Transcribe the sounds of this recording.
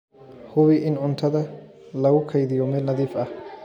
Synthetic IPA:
hʊwɪʔɪnʊnt̪ʰɐd̪ɐ | lɐwʊkʰːɐjd̪ɪjoːmɛnɐd̪ifʔɐ

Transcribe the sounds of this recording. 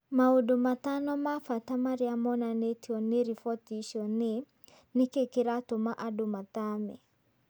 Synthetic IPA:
maodomatanɔmafatamaɾiamɔnanetiɔneɾifɔtiʃɔne | nɪkekeɾatomaʔadomatamɛ

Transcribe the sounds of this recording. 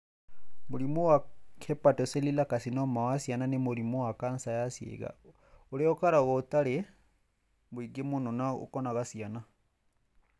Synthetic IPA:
muɾimuwakʰɛpatɔsɛlilakasinɔmawasiananemuɾimuwakansajasjɛ̰ɣa̰ | uɾɛɔkaɾaɣɔtaɾɛ | βwiɡemunɔnao̰kɔnaɣasiana

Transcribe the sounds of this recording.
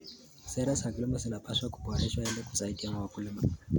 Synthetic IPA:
sɛɾasakulimazinapaʃwaku̥pɔaɾɛʃwaɛlɛku̥zaidiamawakulima

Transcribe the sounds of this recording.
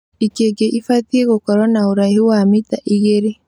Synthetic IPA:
ikeɡeʔifatieɣokɔɾɔnauɾaihuwamitaʔiɣeɾe

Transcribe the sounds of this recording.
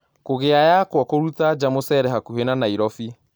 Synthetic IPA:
koɣeajakwɔkoɾut̪ad͡ʒamosɛɾɛhakuhenanaiɾɔfi

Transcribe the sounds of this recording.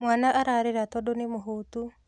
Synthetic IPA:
mwaːnaʔaɾaɾeɾatɔdonemoɦoːtu

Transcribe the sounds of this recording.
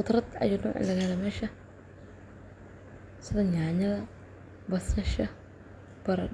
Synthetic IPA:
xʊt̪ɾɐd̪ɐ̰junɔ̰ːʕɪ̰lɐɣɐhɛlɛmɛːʃɐ | sɪðɐɲaːɲɐðɐ | bɐsɐʃɐ | b̥ɐɾɐ

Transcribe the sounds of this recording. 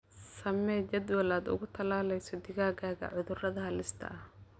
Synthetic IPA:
sɐmɛːt͡ʃɐd̪wɐlaːd̪ʊ̰ɣʊt̪ʰɐlaːlɛjsɔd̪ɪɣaːɣaːɣɐ̰ʕʊðʊrɐðɐɦɐlɪst̪ʰɐ̰ʔɐh

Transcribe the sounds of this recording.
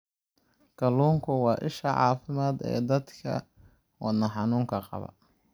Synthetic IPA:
kɐluːŋkʰʊwɑːʔɪʃɐʕɑ̰ːfɪmaːd̪ɛ̰ːd̪ɐd̪kʰɐ̰ | wɑnɐħɑnuːŋkʰɐqɑ̰βɐ̰

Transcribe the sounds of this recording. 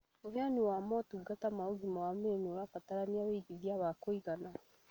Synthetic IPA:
oheaniwamɔtuɡatamaoɡimawamenoɾafataɾaniaβeiɡiðiaβakoiɣana

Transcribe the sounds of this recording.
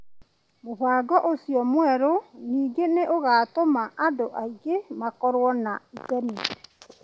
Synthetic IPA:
moβaːɡɔʔosiɔmwɛɾoniːɡeneʔoɣaːtomaʔadoʔaiɡemakɔɾwɔnaitɛni

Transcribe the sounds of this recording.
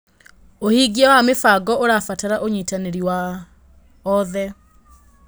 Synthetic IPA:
ohiɡiawamefaɡɔʔoɾafataɾaʔoɲiːtaneɾiwa | ɔðɛ

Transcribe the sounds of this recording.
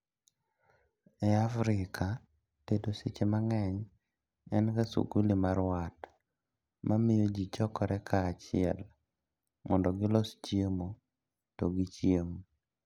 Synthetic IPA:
ɛafɾɪkʰa | tedoset͡ʃemaŋɛɲ | ɛnkasṵkulimaɾwat | mʔamɪjod͡ʒit͡ʃɔkɔɾɛkʰaːt͡ʃɪɛl | mʔɔndɔɡɪlɔst͡ʃjemo | toɡɪt͡ʃjemo

